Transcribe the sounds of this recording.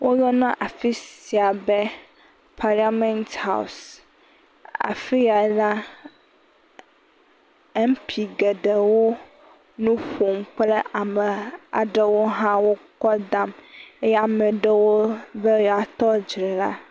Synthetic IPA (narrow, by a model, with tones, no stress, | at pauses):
wʔo˦jɔ˦nã˦ʔa˨fi˦si˨a˨bɛ˦ | pʰa˨ɾi˦a˦mɛ̃˦nt̪ha̰˦˨ws | a̰˨fi˦ja˨˦la˦ | ɛ˦m˦pʰi˨ɡe˨ɖe˨wo˦ | nũ˦ɸo˨m˦k͡ple˦ʔa˨mɛ˨a̰˨ɖe˦wo˦ɦã˦wo˦kɔ˦d̪a˨me˦ja˨mɛ˨ɖɛ˦wo˦ve˦jɔ˨a˨t̪ɔ˦d͡ʒɾɛ˨la̰˦